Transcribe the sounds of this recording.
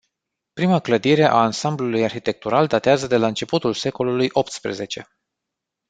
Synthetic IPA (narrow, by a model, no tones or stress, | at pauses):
pɾimakləd̪iɾe̞ʔaːnsamblulujarçit̪e̞k̚t̪uɾald̪at̪eazəd̪e̞laɨnt͡ʃe̞put̪ulse̞ko̞lulujʔo̞p̚t̪spɾḛze̞̰t͡ʃe̞